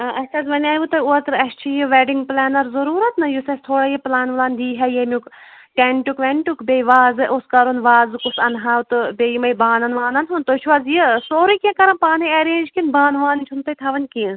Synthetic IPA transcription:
ʔɐt͡ʃʰɐzʋɐnʲaːjʋut̪ɐot̪ɾɐst͡ʃʰijiʋɛːɖiŋɡplɛːnɐɾzɐɾuːɾɐt̪nɨjusɐsʲt̪ʰoːɽaːjiplaːnʋɐlaːnd̪iːɦɛjemʲuk | ʈeɳʈukʋeɳʈukbʲejʋaːzɨʔoskɐɾunʋaːzkusɐnɦaːwt̪ɨbʲejimɐjbãːnɐnʋaːnɐnunt̪oːt͡ʃʰʋaːzjisoːɾɨkʲẽkɐɾɐnpaːnɐɐɾeːnd͡ʒkinbaːnʋaːnʲt͡ʃʰunt̪ɐjt̪ʰɐʋɐnʲki

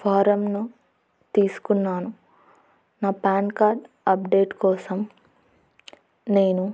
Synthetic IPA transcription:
pʰaːɾɐmnu | t̪iːsu̥kunːaːnu | naːpaːnkaːɾʈ | ɐp̚ɖe̞ːʈkɔːsɐm | ne̞ːnu

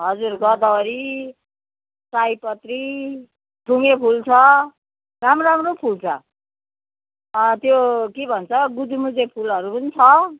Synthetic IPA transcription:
ɦʌd͡zurɡʌd̪awʌɾi | sajpʌt̪ri | ʈuŋepʰult͡sʰʌ | ramɾamropʰult͡sʰʌ̰ | t̪jokebʱʌnt͡sʰʌɡud̪imud͡zepʰulʌɾupunt͡sʰʌ

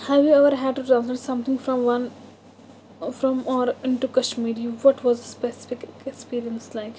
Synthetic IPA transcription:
hæʋjuɛʋəɾɦæɖ̚ʈuʈɾãːns̬lɛʈsʌ̃mt̪ʰɪ̃ŋɡfɾɔ̃mʋʌ̃n | fɾɔ̃mɔːɾɪ̃ɳʈukəʃmiːɖiʋɔʈʋɔzəspɛsɪ̥fɪkɛkspiːɾiə̃nslaɪk

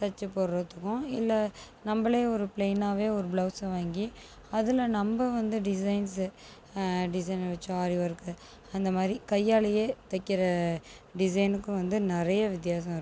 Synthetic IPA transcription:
sɐt͡ʃːɐpːɔɾɾɐt̪ːɯkːʊ̃ɪlːɐ | nɐmbɐleːɔɾɯpleːnaːʋeːɔɾɯbɭɐːsʋaːŋɡi | ɐðɪlɐnɐmbɐʋɐnd̪ɯɖɪs̬ɐɪns | ɖɪs̬ɐɪnʋɐt͡ʃːɯaːɾiʋɐɾɯkːɯ | ɐnd̪ɐmaːd̪ɾikɐjːaːlɐjeːt̪ɐkːɪɾɐ | ɖɪs̬ɐɪnɯkːʊ̃ʋɐnd̪ɯnɪɾɐjɐʋɪt̪̬ɪjaːs̬ɐ̃mɪɾː

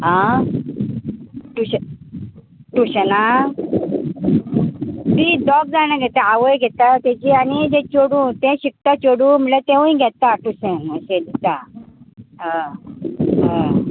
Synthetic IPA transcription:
ɦã | ʈuɕ | ʈuɕna | t̪id̪ɔk̚d͡zañãɡʱɛt̪ɛ̃aʋəjɡʱɛt̪at̪ed͡ʑiːanid͡ʑẽt͡ɕoɽũt̪ẽɕik̚t̪at͡ɕoɽũm̤əlet̪ẽʋũĩɡʱɛt̪aʈusẽnməɕed̪it̪a | ɦã | ɦã

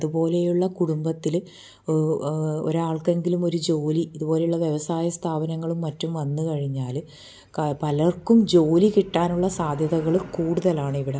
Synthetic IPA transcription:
ɐðubo̞ːle̞juɭːɐkuɽumbɐt̪ːil | o̰ɾuaːɭke̞ŋɡilumo̞ɾud͡ʑo̞ːliːðubo̞ːle̞juɭːɐʋjeʋɐsaːjɐst̪ʰaːbɐnɐŋːɐɭumːɐtːumʋɐnːukɐɻiɲːaːl | pɐlɐrkumd͡ʑo̞ːlikiʈːaːnuɭːɐsaːd̪ʱjɐðɐɣɐɭkuːɽuðɐlaːɳɨiʋiɽe

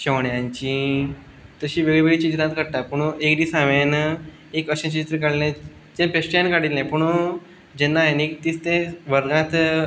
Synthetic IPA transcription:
ɕeʋɳjãɲt͡ɕi | t̪əɕiːʋeɡɭeʋeɡɭit͡ɕid͡ʑt̪ãt̪kəɽʈ̪apuɳekd̪iːsãʋjan | ekəɕãt͡ɕiit̪ɾəkəɽlẽ | d͡ʑẽnpesʈeənkaɽillɛ̃puɳ | d͡ʑɛnːajnekit̪iːst̪ẽʋəɾɡãt̪

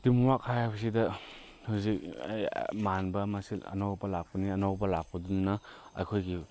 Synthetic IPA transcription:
timuwakhajhajbɐs̬idɐ | huzik̚a̰jmanbɐmasilɐ̰nawbɐlak̚pɐniɐnawbɐlak̚pɐduninɐɐ̰jkʰojɡi

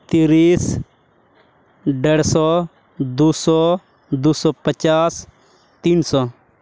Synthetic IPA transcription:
t̪iːɾiːs | ɖɐɽsɔː | d̪uːsɔː | d̪uːsɔːpət͡ʃaːs | t̪iːnsɔː

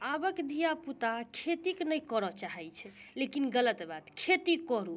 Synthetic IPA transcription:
abəkd̪ʱijaput̪akʰet̪iknəjkɔɾɔt͡ʃaɦɛjt͡ʃʰɛlekinɡələt̪bad̪kʰet̪ikɔɾu

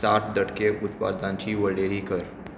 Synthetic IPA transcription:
saʈʰd̪əʈkeʔʊt̪pa̰ɾd̪ãɲt͡ʃiʋəɽeɾikəɾ

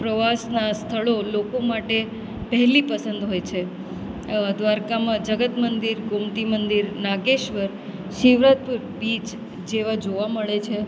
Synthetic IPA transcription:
pɾəʋasnast̪ʰəɭolokomaʈe | pəɦɛlipəsə̃nd̪ɦojt͡ʃʰe | d̪ʋaɾkamãd͡ʒəɡət̪mənd̪iɾɡomt̪imənd̪iɾnaɡeʃʋəɾ | ʃiʋɾat̪̚puɾbit͡ʃ | d͡ʒeʋad͡ʒoʋaməɭet͡ʃʰe

